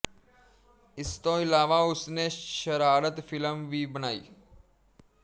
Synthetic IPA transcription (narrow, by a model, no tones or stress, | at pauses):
ɪst̪õɪlaːʋaʊsneʃəɾaːɾət̪fʰɪləmʋibənaːḭː